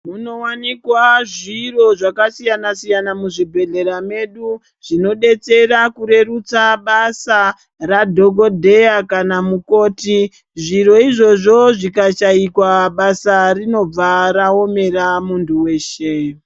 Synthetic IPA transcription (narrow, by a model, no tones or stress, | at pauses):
muno̞wanikwaʐiro̞ʐakasijanasijanamuʐibʱe̞ɮe̞ɾame̞ɗu | ʐ̥ino̞ɗe̞t͡se̞rakuɾe̞rut͡saɓasa | radʱo̞ɡo̞dʱe̞jakanamuko̞ːti | ʐiɾo̞iʐo̞ʐo̞ʐikaʃaikwaɓasarino̞b͡vaɾao̞me̞ramundʰuwe̞ːʃe